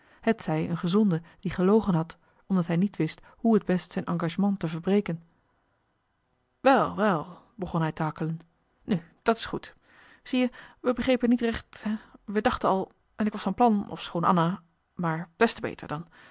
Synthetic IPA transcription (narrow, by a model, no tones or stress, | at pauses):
hətsɛjənχəzɔndəd̥iχəlowχənɦɑt | ɔmdɑtɦɛjnitʋɪst | huɦədbɛstsɛjnʔɑŋɡaːʒəmɑŋtəvəɹbrejkən | ʋɛlˠʋɛlˠ | bəχɔnɦɛjtəɦɑkələn | nyd̥ɑtɪ̥sχut | z̥ijəʋəbəχrejpənitrɛχtɦɛʋədɑχtənɑlˠ | ʔɛnɪkʋɑsfɑnplɑnɔ̰fsχownʔɑ̰na | maːɹb̥ɛstəbḛjtə̰ɹdɑn